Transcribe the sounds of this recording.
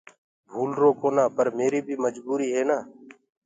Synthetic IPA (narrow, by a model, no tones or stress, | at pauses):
bʱuːlɾoːkoːnãːpəɾmeːɾiːbʱiːməd͡ʒbuːɾiːɦeːnaː